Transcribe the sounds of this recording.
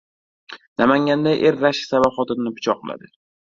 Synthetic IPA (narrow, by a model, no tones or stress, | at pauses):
namaŋɡʲand̪aʔeɾːaʃɪ̥savaχɒt̪ɪnnɪpʰʊ̥t͡ʃʰɒqʰɨlˠa̰d̪ɪ